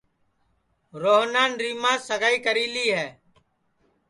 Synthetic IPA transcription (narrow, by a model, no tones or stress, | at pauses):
ɾoːɦnaːnɾiːmãːsəɡaːiːkəɾiːliːɦɛː